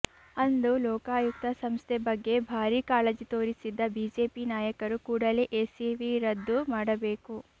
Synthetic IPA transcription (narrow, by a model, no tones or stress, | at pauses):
ɐnd̪ulɔːkaːjuk̚t̪ɐsɐmst̪ʰebɐɡːe̞bʱaːɾiːkaːlɐd͡ʒit̪oːɾisid̪ːɐbiːd͡ʒe̞ːpinaːjɐkɐɾukuːɽɐleʔeːsiʋiɾɐd̪ːumaːɽɐbeːku